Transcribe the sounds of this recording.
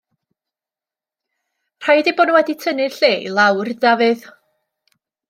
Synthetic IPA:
r̥ajdeboːdnuwɛditʰənɪɬeːlˠawrdavɨð

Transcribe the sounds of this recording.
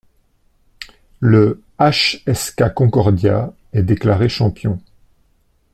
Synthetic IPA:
lə | aʃɛskʲakɔ̃kɔʁd̪ja | ɛd̪eklaʁeʃɑ̃pjɔ̃

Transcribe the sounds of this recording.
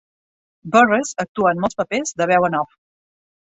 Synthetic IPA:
bɔrezək̚t̪uəːnmɔlˠspəpezðəβɛwənɔf

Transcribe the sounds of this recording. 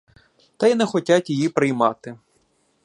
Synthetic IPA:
t̪ɐjnɛxɔtʲatʲjijipɾɪjmɑt̪ɪ

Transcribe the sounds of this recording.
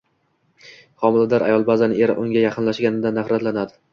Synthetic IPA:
χɒmɪlad̪aɾa̰jɒlˠbazanɪeɾɪ̰ʔʊŋɡʲajaqʰɨnlaʃɡʲanɪd̪anːaχɾat̪lanad̪ɪ

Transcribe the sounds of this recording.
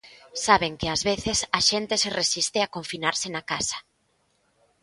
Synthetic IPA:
saβeŋkɪazβeθɪsaʃent̪ɪseresist̪eakoɱfinaɾsɪnakasḁ

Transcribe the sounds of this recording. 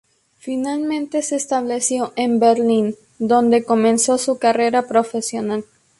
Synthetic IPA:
finalmẽnt̪e̞se̞ːst̪aβle̞sjo̞ʔembeɾlin | d̪o̞nd̪e̞ko̞mẽ̞nso̞sukare̞ɾapɾo̞fe̞sjo̞nal

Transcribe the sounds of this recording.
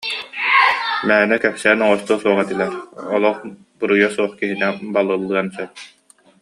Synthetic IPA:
mæːnɛkɛpsɛːnɔʁɔst̪uːsuɔʁɛt̪ilɛɾɔlˠɔχ | bɯɾujɔsuɔχkiɦinɛbalˠɯlˠːɯɐnsɛp̚

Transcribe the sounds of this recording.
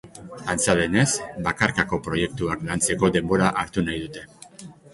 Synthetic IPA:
ant͡saðe̞ne̞sbakaɾkako̞pɾo̞je̞k̚t̪uaklant͡se̞ko̞d̪e̞mbo̞ɾaʔaɾt̪unajðut̪e̞

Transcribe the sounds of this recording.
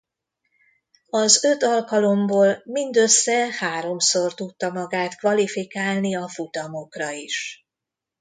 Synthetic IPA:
ɒzøt̪ɒlkɒlo̞mboːlmind̪ø̞sːɛhaːɾo̞mso̞rt̪ut̪ːɒmɒɡaːt̪kʋɒlifikaːlniɒfut̪ɒmo̞krɒiʃ

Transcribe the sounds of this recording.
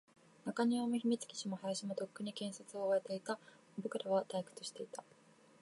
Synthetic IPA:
nakaɲ̟iamɯçimʲit͡sɨ̥kʲi̥ɕimo̞hajaɕimo̞t̪o̞kːɯ̟ɲ̟ikẽ̞ɰ̃sat͡sɨo̞ːaet̪e̞it̪a | mobokɯ̟ɾaβat̪aikɯ̟̥t̪oɕi̥t̪e̞it̪a

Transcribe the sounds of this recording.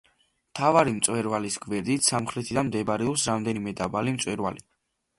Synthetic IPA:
mt̪ʰavaɾimt̪sʼwɛɾvalisɡvɛɾd̪it̪ʰsamχɾɛt̪ʰid̪anmd̪ɛbɾɛɔpsɾamd̪ɛnimɛd̪abalimt̪sʼwɛɾva̰li

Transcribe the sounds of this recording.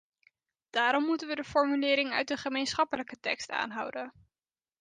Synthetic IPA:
d̥aːɾɔmːutənʋədəfɔɹmylɪːɾɪŋœ̰ɥt̚dəχəmejnsχɑpələkətɛ̰ksta̰ːnɦʌwdən

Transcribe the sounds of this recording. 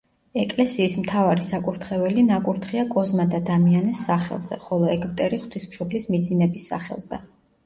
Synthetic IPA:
ɛkʼlɛsiːsmt̪ʰavaɾisakʼuɾt̪ʰχɛvɛlinakʼuɾt̪ʰχiakʼɔzmad̪ad̪amianɛsːaχɛ̰lˠz̥ɛ̰χɔlˠɔɛkʰʼvt̪ʼɛɾiχwt̪ʰismʃɔblismid̪zinɛbisːa̰χɛ̰lˠz̥ɛ̰

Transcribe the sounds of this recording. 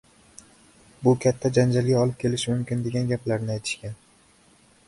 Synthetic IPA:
bʊkʲʰat̪ʰːad͡ʒand͡ʒalɡʲaɒlˠɪp̚kʲʰe̞lɪʃɪmʊmkʲɪnd̪e̞ɡʲanɡʲaplaɾnɪajt̪ʰɪ̥ʃkʲan

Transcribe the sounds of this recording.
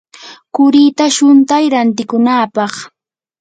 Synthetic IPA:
kʊɾiːt̪aʃʊnt̪ajɾant̪ɪkʊnaːpɑχ

